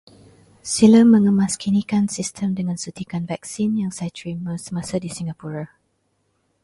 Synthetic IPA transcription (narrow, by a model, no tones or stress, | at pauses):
siləmːə̃ŋəmaskinikansistʰəmdəŋãnsut̪ikanvɛk̚sinjaŋsajtʰɹiməsəmãsadisiŋɡapuɾa